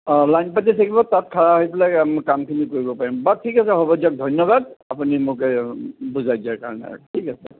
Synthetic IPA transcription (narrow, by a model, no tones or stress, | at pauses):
lajnpatitʰakibɔtat̚kʰaɹaɦɔiplaamɔkamkʰinikoɹibɔpaɹimbatʰikasɛɦɔbɔd͡ʒɔk̚dʱɔnjɔbadapunimʊkebuzajdiaɹkaɹɔnɛ̰tʰikasɛ̥̰